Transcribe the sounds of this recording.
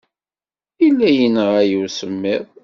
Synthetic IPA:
ilːæjənəʁæjuwsəmːɪðˤ

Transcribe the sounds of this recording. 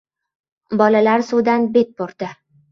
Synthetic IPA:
bɒlalaɾsud̪anbe̞t̪̚boɾd̪̥ɪ

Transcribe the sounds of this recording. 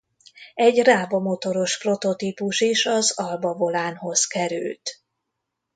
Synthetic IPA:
ɛɟraːbomo̞t̪o̞ɾo̞ʃpro̞t̪o̞t̪iːpuʃiʃɒzɒlbɒvo̞laːnho̞zkɛɾy̰lt̪

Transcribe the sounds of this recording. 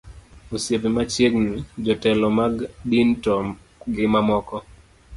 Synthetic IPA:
osjepimat͡ʃjeɡnid͡ʒɔtɛlɔmaɡdintɔ | ɡɪmamɔkɔ

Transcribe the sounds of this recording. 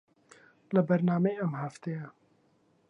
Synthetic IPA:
ləbɐɾnaːmejɐmhaft̪ejɐ

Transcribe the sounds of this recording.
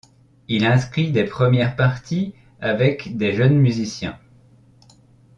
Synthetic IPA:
ilɛ̃skχid̪epχəmjɛʁpaʁt̪i | avɛkd̪eʒənmyzisjɛ̰̃

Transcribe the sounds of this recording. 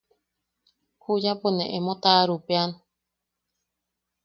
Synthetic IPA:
hujaponẽʔemot̪aɾupean

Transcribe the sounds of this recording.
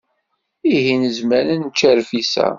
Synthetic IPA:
iɦinəzmæɾənt͡ʃːæɾfisæ̰

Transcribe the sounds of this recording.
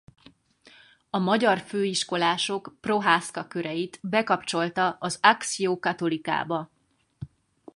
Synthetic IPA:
ɒmɒɟɒrføːiʃko̞laːʃo̞kpro̞ɦaːskɒkøɾɛjit̪bɛkɒpt͡ʃo̞lt̪ɒʔɒzaksijoːkɒt̪o̞lika̰ːbɒ

